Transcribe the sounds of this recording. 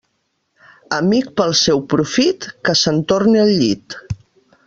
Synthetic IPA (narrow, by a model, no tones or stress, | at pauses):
əmik̚pəlˠsɛwpɾufit̪kəsənt̪orniəlʎit̪